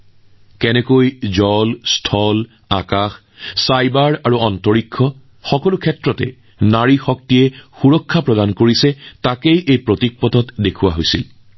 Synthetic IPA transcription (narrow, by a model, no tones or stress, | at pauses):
kɛnɛkojzɔlstʰɔl | a̰kax | sajbaɹaɹuɔntɔɹikʰːɔ | xɔkɔlukʰɛtɹɔtɛ̰ | naɹixɔk̚tiɛxuɹɔkʰːapɹɔdankoɹisɛtakejʔejpɹotik̚pɔtɔtdekʰuwa̰ɦojsil